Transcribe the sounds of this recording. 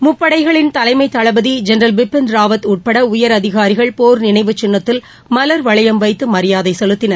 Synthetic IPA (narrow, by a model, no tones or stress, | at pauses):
mʊpːɐɽɐɪɣɐɭɪnt̪ɐlɐɪmɐɪt̪ːɐɭɐbɐðid͡ʒɛnɐɾɐlbɪpːɪnɾaːʋɐt̪uːʈ̚pɐɽɐʊjɐɾɐðɪɣaːɾɪɣɐɭpoːɾnɪnɐɪʋɯt͡ʃːɪnːɐt̪ːɪl | mɐlɐɾʋɐɭɐjɐmʋɐɪt̪ːɯmɐɾɪjaːðɐɪsɛlɯt̪ːɪnɐɾ